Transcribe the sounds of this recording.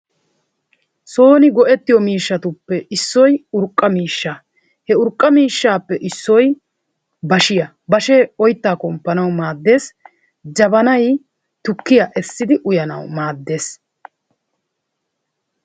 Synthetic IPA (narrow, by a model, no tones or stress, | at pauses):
so̞ːnɪɡɔʔɛt̪ːɪjɔmiːʃːɐt̪ʊpːɛɪsːɔjʊɾkʼːɐmiːʃːa | hɛʊɾkʼːɐmiːʃːaːpːɛʔɪsːɔj | bɐʃɪjɐ | bɐʃeːɔjt̪ːaːkɔmpːɐnɐwmaːd̪ːe̞ːs | d͡ʒɐbɐnɐj | t̪ʊkːɪjɐʔɛsːɪd̪ɪʔʊjɐnɐ̰wmaːd̪ːe̞ːs